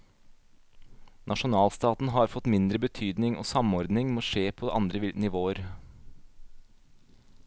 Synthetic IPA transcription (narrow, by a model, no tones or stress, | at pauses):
nʔɑʃʊnɑːlst̪ɑːt̪n̩ɦɑɾfɔt̪mɪnd̪ɾəbət̪ʰyːd̪nɪŋo̰ːsɑmɔɾd̪nɪŋmoːʂeːpʰoːʔɑ̰nd̪ɾəʋɪlnɪʋoːəɾ